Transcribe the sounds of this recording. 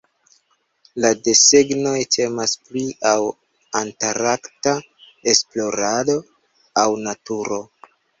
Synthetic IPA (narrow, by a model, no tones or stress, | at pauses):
lade̞seɡno̞jtʰe̞maspliʔaw | antaɾakta | e̞splo̞ɾado̞ | awnatuɾo̞